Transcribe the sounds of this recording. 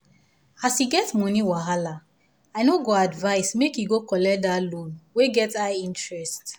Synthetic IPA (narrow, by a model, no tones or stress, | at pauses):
asiɡɛtmɔ̃niwaɦala | aɪnoɡoadvaɪsmekjiɡokɔlɛk̚dalõnweɡɛtaĩntɹɛst